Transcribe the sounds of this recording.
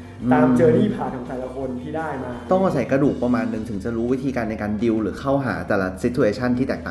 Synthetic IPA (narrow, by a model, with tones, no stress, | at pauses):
ʔɯː˧aː˧˨˧mt͡ɕɤː˧t̪ʰiː˥˩pʰaː˨˩kʰɔː˨˩˦ŋt̪ɛː˨˩la˧kʰo˧nt̪ʰiː˥˩daː˥˩jmaː˧t̪ɔ˥˩ŋʔaː˧sa˨˩˦jkɾa˧duː˨˩k̚pa˧maː˧nːɯ˨˩ŋt̪ʰɯ˩˦ŋt͡ɕa˨˩ɾuː˦˥wi˦˥t̪ʰiː˧kaː˧nːa˧jkaː˧ndi˧wɾɯː˩˦xʰa˥˩wɦa̰ː˩˦t̪ɛː˨˩la˦˧si˦˥t̪ʰːu˧ʔeː˧t͡ɕʰa˥˩nt̪ʰiː˥˩ɛː˨˩k̚t̪aː˨˩